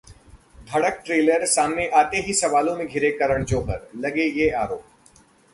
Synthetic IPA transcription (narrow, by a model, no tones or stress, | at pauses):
d̪ʱɐɽək̚ʈɾeːləɾsaːmneʔaːt̪eɦisɐʋaːlõmẽɡʱɪɾekɐɾəɽ̃d͡ʒoːɦəɾlɐɡejeaːɾoːp